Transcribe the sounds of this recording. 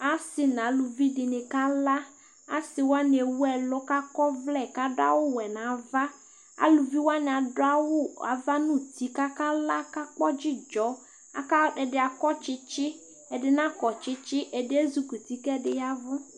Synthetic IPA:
a˦sɪ˨nã˨˦lu˨vi˦dɪ˨nɪ˨ka˦la˦ | a̰˦sɪ˨wo˦a˦nɪ˨e˨wu˦ɛ˨lʊ˦ka˦kɔ˦vlɛ˦˨ka˦dʊ˦a̰˦wʊ˦wɛ˨nã˨va˦ | a̰˨lu˨vi˦wo˦a˦nɪ˨a˨dʊ˦a˦wʊ˦a̰˨va˦nũ˦t̪i˦ka˦ka˦la˦ka˦k͡pɔ˦d͡ʒɪ˦d͡ʒɔ˨˦ | a̰˨ka˦ɛ˨dɪ˨a˨kɔ˦t͡ʃɪ˦t͡ʃɪ˦ | ɛ˨dɪ˨nã˦kɔ˨t͡ʃɪ˦t͡ʃɪ˦ʔɛ˨dɪ˦e˦zu˨ku˨t̪i˦kɛ˦dɪ˨ja˦vʊ˦

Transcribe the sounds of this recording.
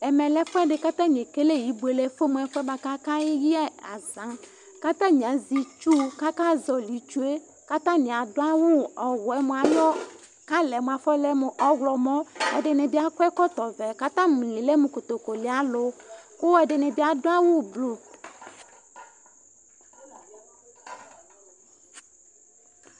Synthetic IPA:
ɛ˨mẽ˨lɛ˦ɸo˦ɛ˦ɖe˨ka˦t̪ã˦ɲ˨ẽ˨ke˦le˦ji˨bu˨e˨le˦fo˦mũ˨ɛ˨˦ɸɛ˦ba˦ka˦kã˦ji˦ɛ˦a˨zã˨˦ | ka˦t̪ã˦ɲ˨ã˨zi˨t͡ʃu˦ka˦kã˦zɔ˨li˨t͡ʃu˦e˦ | ka˦t̪ã˦nĩ˨a˨do˦a˦wu˦ɔ˨wɔ˨ɛ˦mõ˨a˨jɔ˦ | kã˦lɛ˨mõ˨a˨fɔ˦lɛ˦me˨ʔɔ˦ɡlɔ˨mɔ̃˦ɛ̰˨ɖe˨nẽ˨bi˦a˦kʷɛ˦kɔ˦t̪ɔ˨vɛ˨ka˦t̪ã˦m˨lĩ˨le˦mũ˨ko˨t̪o˨ko˨li˨a˨lo˨˦ko˦ɛ˦ɖɪ˨nɛ̃˨bi˦a˨do˦a˦wu˦blu˨

